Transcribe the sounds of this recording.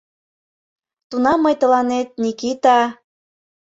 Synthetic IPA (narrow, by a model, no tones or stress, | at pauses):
t̪unɑmːɤjt̪ə̆lɑnet̪̚nikit̪ɑ